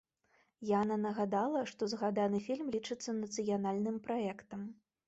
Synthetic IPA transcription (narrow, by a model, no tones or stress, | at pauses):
janɐnɐɣad̪alˠɐʂt̪ɔzɣad̪anɨfʲilʲmlʲit͡ʂɨt̪sːɐnɐt̪sɨjanalʲnɨmpɾaɛkt̪ɐm